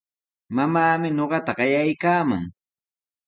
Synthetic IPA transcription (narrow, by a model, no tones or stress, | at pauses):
mamaːmɪɲoɢɑt̪aɢɑjajkaːmaŋ